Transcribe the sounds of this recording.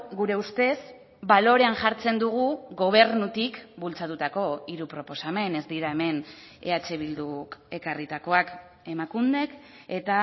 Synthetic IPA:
ɡuɾe̞ust̪e̞z | balo̞ɾe̞anʝaɾt͡se̞nd̪uɣ̞uɣo̞β̞e̞ɾnut̪ikbult͡sat̪ut̪ako̞iɾupɾo̞po̞same̞ne̞zd̪iɾae̞me̞ne̞at͡se̞β̞ild̪uke̞karit̪ako̞ak | e̞makund̪e̞k | e̞t̪a

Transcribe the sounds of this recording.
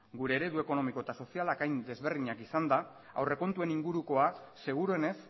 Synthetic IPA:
ɡuɾe̞ːɾe̞ðue̞ko̞no̞miko̞et̪aso̞sialakajnd̪e̞zβe̞ɾðiɲakisand̪a | a̰wre̞ko̞nt̪ue̞niŋɡuɾuko̞ase̞ɣ̞uɾoe̞ne̞s

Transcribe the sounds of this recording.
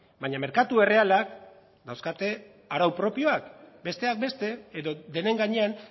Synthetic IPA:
baɲame̞ɾkat̪ue̞re̞alak | d̪awskat̪e̞ | aɾawpɾo̞pio̞akbe̞st̪e̞ak̚be̞st̪e̞ːðo̞d̪e̞ne̞ŋɡaɲe̞an

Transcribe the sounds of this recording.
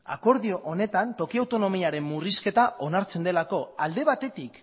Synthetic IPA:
a̰ko̞ɾðio̞ʔone̞t̪ant̪o̞kiawt̪o̞no̞miaɾe̞mːuriske̞t̪ao̞naɾt͡se̞nd̪e̞lako̞ald̪e̞β̞at̪e̞t̪ik

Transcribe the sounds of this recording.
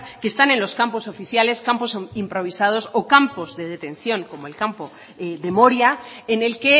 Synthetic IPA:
kest̪ane̞nlo̞skampo̞so̞fiθjale̞skampo̞simpɾo̞β̞isað̞o̞so̞kampo̞zðe̞ðe̞t̪ẽ̞n̟θjo̞ŋko̞moelkampo̞ | ðe̞mo̞ɾjaene̞lke̞

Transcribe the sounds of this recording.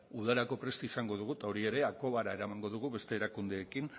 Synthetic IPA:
uðaɾako̞pɾe̞st̪isaŋɡo̞ð̞uɣ̞ut̪ao̞ɾie̞ɾe̞ako̞βaɾae̞ɾamaŋɡo̞ðuɣ̞uβe̞st̪e̞ːɾakund̪e̞ːkin

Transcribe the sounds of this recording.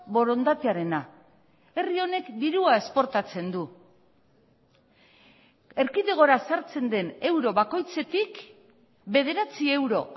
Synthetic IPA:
βo̞ɾo̞nd̪at̪eaɾe̞na | e̞rio̞ne̞kd̪iɾuae̞spo̞ɾt̪at͡se̞nd̪u | eɾkiðeɣ̞o̞ɾasaɾt͡se̞nd̪e̞ne̞wɾo̞βako̞jt͡se̞t̪ik | be̞ð̞e̞ɾat͡sie̞wɾo̞

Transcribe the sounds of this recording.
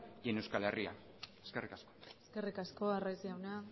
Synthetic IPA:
ʝene̞wskaleria̰ | eske̞rikasko̞eske̞rikasko̞arajziawna

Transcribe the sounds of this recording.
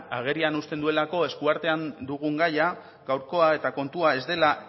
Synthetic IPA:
aɣ̞e̞ɾianust̪e̞nd̪ue̞lako̞eskuaɾt̪e̞and̪uɣ̞uŋɡaja | ɡawɾko̞ae̞t̪ako̞nt̪uae̞zd̪e̞la

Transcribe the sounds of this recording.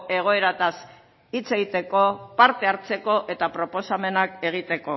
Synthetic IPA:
e̞ɣ̞o̞e̞ɾat̪as | it͡se̞ɣit̪e̞ko̞paɾt̪e̞aɾt͡se̞ko̞ʔe̞t̪apɾo̞po̞same̞nake̞ɣ̞it̪e̞ko̞

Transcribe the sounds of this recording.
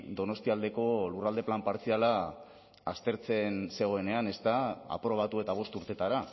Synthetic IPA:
d̪o̞no̞st̪iald̪e̞ko̞lurald̪e̞plampaɾt͡siala | a̰st̪e̞ɾt͡se̞nse̞ɣ̞o̞e̞ne̞ane̞st̪aa̰pɾo̞β̞at̪ue̞t̪aβ̞o̞st̪uɾt̪e̞t̪aɾa

